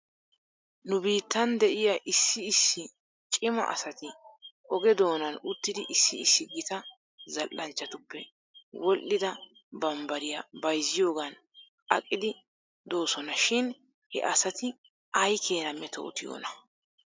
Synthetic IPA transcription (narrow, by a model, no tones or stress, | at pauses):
nʊbiːt̪ːɐnd̪ɛʔɪjɐʔɪsːɪːsːɪ | t͡ʃʼɪmɐ̰ʔɐ̰sɐt̪ɪʔɔɡɛd̪o̞ːnɐnʊt̪ːɪd̪ɪʔɪsːɪɪsːɪɡɪt̪ɐ | zɐlʔːɐnt͡ʃːɐt̪ʊpːɛ̰ | wɔlʔɪd̪ɐ | bɐmbɐɾɪjɐbɐjzːɪjo̞ːɡɐn | ɐ̰kʼːɪd̪ɪ | d̪o̞ːsɔnɐʃɪn | hɛ̰ʔɐsɐt̪ɪ | ʔɐjkʰeːnɐmːɛt̪o̰ːt̪ɪjo̰ːnɐ